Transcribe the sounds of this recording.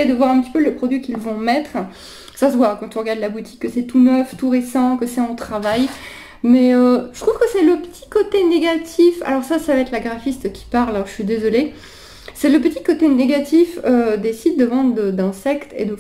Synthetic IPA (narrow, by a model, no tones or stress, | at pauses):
ed̪əvwaʁɛ̃pət̪i̥pøləpχɔd̪ɥikʲilvɔ̃mɛt̪χ | sasəvwakɑ̃t̪ỹʁəɡaʁd̪labut̪ʰi̥kːəsɛt̪unœft̪uʁesɑ̃kəsɛɑ̃t̪χavaj | mɛøʒət̪χuvkəsɛləpə̥t̪ʰi̥kot̪eneɡat̪ʰifa̰lɔʁsasavaɛt̪laɡʁafist̪kʲi̥paʁlalɔʁəʃɥid̪ezɔle | sɛləpət̪ikot̪eneɡat̪ifød̪esit̪̚d̪əvɑ̃d̪ʁəd̪əd̪ɛ̃sɛkt̪ʰḛd̪ə